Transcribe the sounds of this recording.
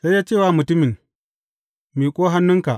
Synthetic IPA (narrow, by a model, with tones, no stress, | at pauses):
sa˦jːaː˦t͡ʃeː˦˨wa˨mʊ˨tʊ˦mi˨n | miː˨kʷʼoː˦ɦa˦nːʊ˦ŋka˨